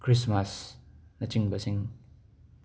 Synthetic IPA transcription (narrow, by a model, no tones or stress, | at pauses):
kʰɾismasnɐt͡ʃiŋbɐsiŋ